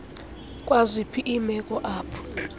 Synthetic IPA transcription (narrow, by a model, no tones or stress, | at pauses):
kʼwazipʰiʔːmɛkʼɔʔaːpʰɔ̥